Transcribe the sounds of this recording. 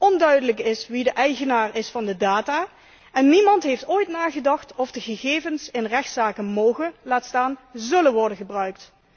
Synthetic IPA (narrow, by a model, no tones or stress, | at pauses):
ɔndœɥdələkɪsʋidəʔɛjɣənaːrɪsfɑndədaːtaː | ɛnːimɑntɦejftoːjtnaːχədɑχtɔfdəɣəɣeːvənsɪnrɛxtsaːkənmowɣəlaːtstaːnzɵlənʋɔɹdənχəbrœɥkt